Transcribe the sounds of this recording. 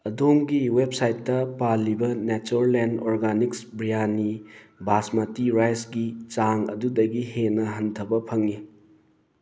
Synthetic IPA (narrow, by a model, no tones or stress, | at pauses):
ɐdoŋɡiwep̚sajtːɐpalːibɐnet͡ʃuɾlendɔɾɡaniksbɾijanibʱasmatiɾajsɡit͡ʃaŋɐ̰dudɐɡihenɐɦɐntʰɐbɐpʰɐŋːi